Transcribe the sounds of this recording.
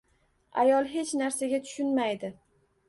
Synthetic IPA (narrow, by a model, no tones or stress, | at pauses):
a̰jɒlˠɦe̞t͡ʃnaɾsaɡʲat̪ʰʊ̥ʃʊnmajd̪ɪ